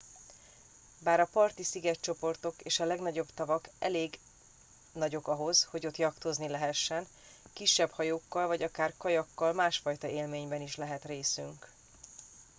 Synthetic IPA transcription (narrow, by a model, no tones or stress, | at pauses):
baːɾɒpɒrt̪isiɡɛtt͡ʃo̞po̞rt̪o̞keːʃɒlɛɡnɒɟo̞bt̪ɒvɒkʔɛ̰leːɡ | nɒɟo̞kɒɦo̞zho̞ɟo̞t̪jɒkt̪o̞znilɛɦɛʃːɛn | kiʃːɛbhɒjoːkːɒlvɒɟɒkaːrkɒjɒkːɒlmaːʃfɒjt̪ɒeːlmeːɲbɛniʃlɛɦɛt̪reːsyŋk